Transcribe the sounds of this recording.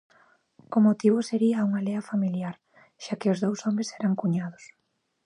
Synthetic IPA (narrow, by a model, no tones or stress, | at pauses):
omot̪iβ̞ʊseɾiɐuŋaleɐfamiljaɾ | ʃakɪʊzðowsɔmɾɪsɛɾaŋkuɲaðʊs